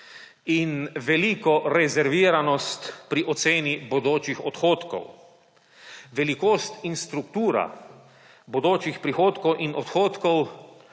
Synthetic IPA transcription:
inʋɛlikɔɾɛzɛɾʋiːɾanɔst̪pɾiʔɔt̪seːnibod̪oːt͡ʃixɔt̪xoːt̪kɔ̰w | ʋɛlikoːst̪inst̪ɾukt̪uːɾa̰ | bɔd̪oːt͡ʃixpɾixoːt̪kɔwʔinʔɔt̪xoːt̪kɔw

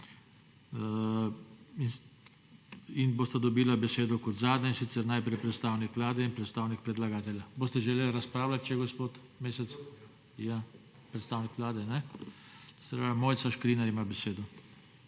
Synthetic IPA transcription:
in | inboːst̪ad̪ɔbiːlabɛseːd̪ɔkɔt̪zaːd̪nɛinsit̪sɛɾnajpɾɛjpɾɛt̪st̪aːwnikʋlaːd̪ɛinpɾɛt̪st̪aːwnik̚pɾɛd̪laɡaːt̪ɛljaboːst̪ɛʒɛleːlɾaspɾaːwlat̪̚t͡ʃɛɡospoːt̪ | meːsɛt̪s | ja | pɾɛt̪st̪aːwnikʋlaːd̪ɛnɛ | spɾaʋɛmoːjt̪saʃkɾinaɾimabɛseːd̪ɔ

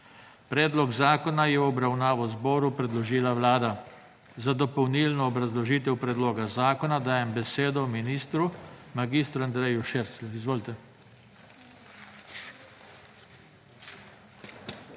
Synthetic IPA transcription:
pɾɛːd̪lɔɡzaːkɔnajɛɔbɾawnaːʋɔzbɔːɾupɾɛd̪lɔʒiːlaʋlaːd̪a | zad̪ɔpɔwniːlnɔːbɾazlɔʒiːt̪̬ɛwpɾɛd̪loːɡazaːkɔnad̪aːjɛmbɛseːd̪ɔminiːst̪ɾumaɡiːst̪ɾand̪ɾɛjuʃeːɾsluizʋoːlit̪ɛ

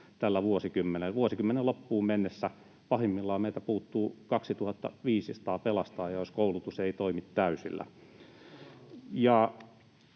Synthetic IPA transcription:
t̪ælːæʋuosikymːeneʋuosikymːenelopːuːmmenːesːæ | pɑhimːilːɑːmeit̪æpuːt̪ːuːkɑksit̪uhɑt̪ːɑ̰ʋiːsisɑ̥t̪ɑːpelɑst̪ɑːjɑjoskoulut̪useit̪oimit̪tæysḭlːæ̰ | jɑ

